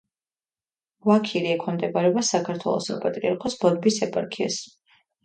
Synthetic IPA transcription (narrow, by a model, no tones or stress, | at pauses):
vakʰiɾiɛkʰɔnd̪ɛbaɾɛbasakʰaɾt̪ʰwɛ̰lˠɔ̰sɔpʼat̪ʼɾiaɾkʰɔsbɔd̪̚bisɛpʼaɾkʰia̰s